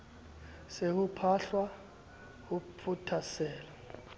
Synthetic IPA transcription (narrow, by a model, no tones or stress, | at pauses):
sekupʰaɬwa | kupʰutʰasɛːla